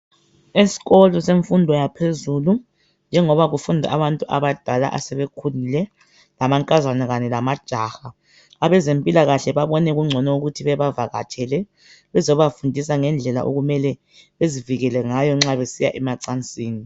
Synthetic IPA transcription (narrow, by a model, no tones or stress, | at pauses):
esi̥ɣɔlɔseɱfundʱɔjapʰezuːlu | nd͡ʒʱɛŋɔβaɣufundʱa̰aβantʼuʔaβad̥ʱala̰ʔasɛβekʰulilɛ | lamaŋkʼazanɛɣanɛlamad̥ʒ̥ʱaxaː | βɛzempʼilaɣaɬɛβaβɔnɛɣuŋ͡ǀʱɔnɔuɣutʰiβɛβavaɣa̰tʰɛlɛ | βɛzɔβafundʱis̬aŋɛnd͡ɮʱɛla̰ʔoɣumɛlɛ | βeziviɣɛlɛŋajɔŋ͡ǁaβesija̰ʔɛmaǀant͡sʼiːni